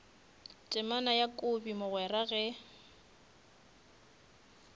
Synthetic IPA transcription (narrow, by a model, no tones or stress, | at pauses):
t͡ʃʼɪmanajakʼʊbimʊɣwɛraɣɛ